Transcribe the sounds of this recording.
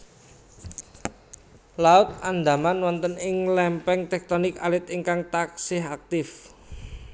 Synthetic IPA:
laʊt̪̚and̪a̤manwɔnt̪ənɪŋlɛmpɛŋt̪ɛk̚t̪ɔnɪkalɪt̪iŋkaŋt̪aksɪɦak̚t̪ɪf

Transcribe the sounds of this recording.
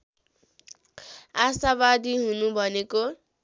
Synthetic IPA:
asabad̪iɦunubʱʌneko

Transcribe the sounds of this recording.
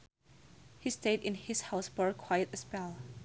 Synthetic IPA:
histeɪɾɪ̃nhɪshaʊsbə˞kʰw̥ajɨtɨspɛlˠ

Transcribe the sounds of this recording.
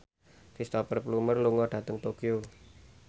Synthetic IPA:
fist̪ɔpərplumərluŋɔɖ̥ä̤t̪əŋt̪okiu

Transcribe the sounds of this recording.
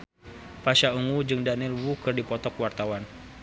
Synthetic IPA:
faʃauŋud͡ʒɨŋdanilwukɨrdipɔt̪ɔkwart̪awan

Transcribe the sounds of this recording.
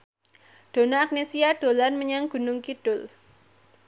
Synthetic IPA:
ɖ̥o̤naːk̚nesiaɖ̥o̤lanməɲaŋɡ̥ṳnʊŋkiɖ̥ʊl

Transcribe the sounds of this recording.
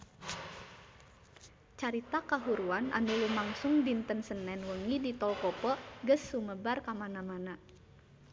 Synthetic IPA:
t͡ʃaɾit̪akaɦuɾuana̰nulumaŋsʊŋdint̪ənsənːɛnwəŋidit̪ɔlkɔpɔɡəsːuməbarkamanamana

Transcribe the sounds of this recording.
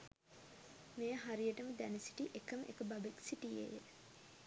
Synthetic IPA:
mejəɦaɾijəʈəməd̪ænesi̥ʈiʔekəmʔḛkəbabiksiʈijḛjḛ

